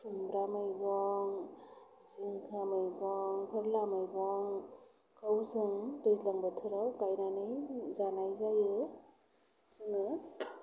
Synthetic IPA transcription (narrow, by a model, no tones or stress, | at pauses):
sumbɾamɯjɡɔŋ | ziŋkʰamɯjɡɔŋkʰɯɾlamɯjɡɔŋ | kʰawzɯŋdɯjzlaŋbatʰɯɾawkajnanɯjzanajzajɯ | zɯŋɯ